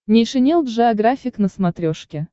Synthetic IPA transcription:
nʲɪʂɨnʲelˠvʐɨɐɡɾafʲɪknəsmɐt̪ɾʲoʂkʲɪ

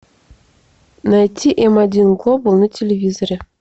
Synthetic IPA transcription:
nɑjtʲːiʔemɑdʲinɡlˠobulˠnɤ̆tʲelʲevʲizoɾʲĕ

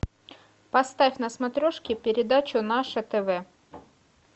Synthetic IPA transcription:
pɐst̪afʲnɐsmɐt̪ɾʲoʂkʲɪpʲɪɾʲɪd̪at͡ɕʊnaʂət̪ɛvɛ

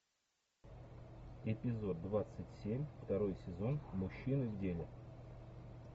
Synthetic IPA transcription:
ɪpʲɪzo̞d̪̚ːvat̪sɨtʲsʲemʲft̪ɐɾo̞jsʲɪzo̞nmʊɕːinɨvʲdʲelʲɪ

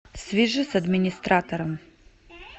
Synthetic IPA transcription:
svʲiʐɨsɐd̪mʲɪnʲist̪ɾat̪oɾɐm

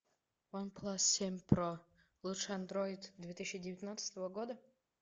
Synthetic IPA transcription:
wanpʰlˠasːʲemʲpro | lˠuʂand̪ɾojɪd̪d̪vʲet̪ɨɕːɪdʲɪvʲɪt̪ʲnat̪sɨ̥t̪əvəɡod̪ə

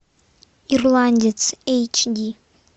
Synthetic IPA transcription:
irlandʲit͡sʰejt͡ʃʰdʲi

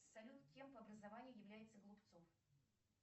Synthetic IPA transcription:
sɐlʲut̪kʲe̞mpəɐbɾəzɐvanʲɪjʊjɪvlʲæjɪt̪səɡlˠʊpt̪sof

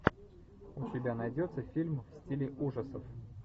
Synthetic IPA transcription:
ʊsʲɪbʲanɐjdʲo̞t̪səfʲilʲmfsʲtʲilʲɪʔuʐəsəf

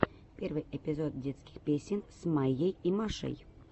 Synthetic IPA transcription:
pʲervɨjepʲɪzot̪̚dʲet̪skʲi̥xpʲesʲɪnsmajejimaʂɨ̰j

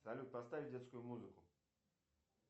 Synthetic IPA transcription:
alʲut̚ʲpast̪avʲdʲet̪skʊjʊmuzɨkʊ

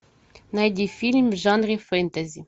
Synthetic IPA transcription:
najd̪ʲifʲilʲmʲʐanrʲifent̪azʲi

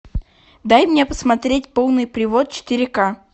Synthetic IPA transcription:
d̪ajmnʲe̞pə̥smɐt̪ɾʲetʲpo̞lˠnɨjpɾʲɪvo̞t̪̚t͡ɕɪ̥t̪ɪɾʲɪka

